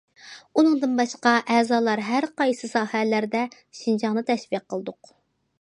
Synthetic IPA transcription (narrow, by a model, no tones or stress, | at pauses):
unɨŋd̪ɨnbɑʃqɑʔɛːzɑːlˠɑɾɦæɾqɑjsɨsɑːhɛlæɾd̪ɛ | ʃind͡ʒɑŋnɨt̪ʰɛʃviqʰːəlˠd̪ʊq